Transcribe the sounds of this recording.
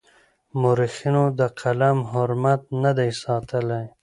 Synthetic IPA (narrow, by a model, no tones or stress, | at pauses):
mʊɾixinod̪əqʰalamɦʊɾmat̪̚nad̪ejsɑt̪əlaj